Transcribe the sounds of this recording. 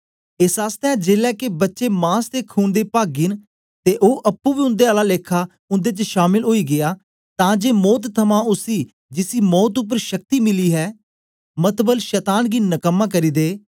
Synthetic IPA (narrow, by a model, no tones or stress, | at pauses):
ɪsaːst̪ɛ̃ːd͡ʒeːlɛːkebətːʃeːmãːst̪eːkʰuːnd̪eːpaːɡɪn | t̪eːʔoːʔəpːũːbiːʊ̃nd̪eːaːlaːleːkʰːaː | ʊnd̪eːt͡ʃʃaːmɪlɦoːiːɡɪjaː | t̪ãːd͡ʒeːmɔːt̪t̪ʰːəmãːʊsiː | d͡ʒɪsiːmɔːt̪̬ʊp̬ːəɾʃək̚t̪iːmɪliːɦɛː | mət̪bəlʃɛːt̪aːnɡiːnəkəmːãːk̬əɾiːd̪eː